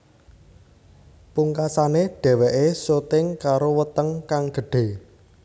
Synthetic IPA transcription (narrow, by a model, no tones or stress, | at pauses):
puŋkasaneɖ̥ɛ̤wɛʔesot̪ɪŋkaɾowət̪əŋkaŋɡ̥ə̤ɖ̥e̤